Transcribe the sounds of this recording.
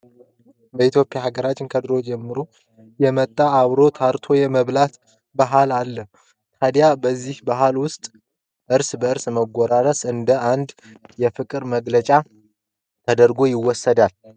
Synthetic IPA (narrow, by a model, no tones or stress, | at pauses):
bəit̪jo̞pʼjahaɡəɾat͡ʃːɪnkʰəd̪ɨɾo̞d͡ʒɛmːɨɾo | jɛmət̪ʼːaːβɾo̞t̪ʰaɾt̪ʰo̞jɛməβlat̪ | baɦalalːəh | t̪ʰad̪jabəzːihbaɦalwʊst̪ʼ | ʔɨɾsbəɨɾsməɡʷːɔɾaɾəsɨnd̪əʔand̪ | jɛfɨkʼɨɾməɡlət͡ʃʼa | t̪ʰəd̪əɾɡo̞jɪwːɔsːəd̪al